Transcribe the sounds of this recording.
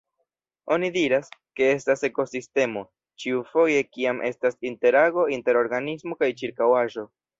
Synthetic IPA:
o̞nidiɾaske̞e̞stase̞ko̞siste̞mo̞ | t͡ʃiufo̞je̞kiamʔe̞̰stasinte̞ɾaɡo̞inte̞ɾo̞ɾɡanismo̞kajt͡ʃiɾkawaʒo̞

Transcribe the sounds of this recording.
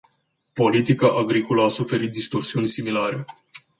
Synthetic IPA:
po̞lit̪ikaʔaɡɾiko̞ləasufe̞ɾit̪̚d̪ist̪o̞rsiunʲsimilaɾe̞

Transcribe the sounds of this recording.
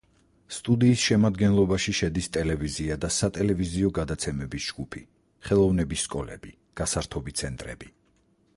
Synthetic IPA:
st̪ʼud̪iːsʃɛmad̪ɡɛnlˠɔbaʃiʃɛd̪ist̪ʼɛlɛviziad̪asat̪ʼɛlɛviziɔɡad̪at̪sʰɛmɛbisd͡ʒɡupʰi | χɛlˠɔvnɛbisːkʼɔlɛb̥i | ɡ̥asaɾt̪ʰɔbit̪sʰɛnt̪ʼɾɛ̰bi

